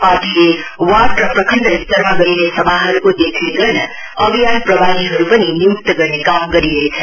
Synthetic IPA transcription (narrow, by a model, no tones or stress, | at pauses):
paʈ̪ilewaʈrʌprʌkʰəɳɖʌist̪əɾmaɡʌɾinesʌbʱaɦʌɾukod̪ekʰeɡʌɾnʌ | ʌbʱijanpɾʌbʱaniɦʌɾupʌniniuk̚t̪ʌɡʌɾnekamɡʌɾiɾʌet͡sʰʌ